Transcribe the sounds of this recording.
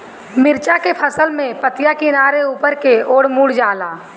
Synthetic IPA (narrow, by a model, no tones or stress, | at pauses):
mɪɾt͡ʃakepʰəsəlmẽpət̪ɪjakinaːɾeuːpəɾkeoːɽmuːɽd͡ʒaːlaː